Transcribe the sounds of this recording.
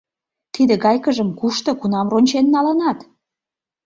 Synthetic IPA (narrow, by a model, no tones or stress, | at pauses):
t̪id̪ĕɣɑjkə̆ʒə̆mkuʃt̪ŏkunɑmronʲt͡ɕenːɑlənɑt̪